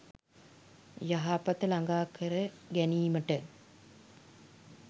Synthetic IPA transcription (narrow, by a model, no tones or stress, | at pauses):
jaɦaːpat̪əlaŋɡaːkʰəɾə | ɡæniːməʈə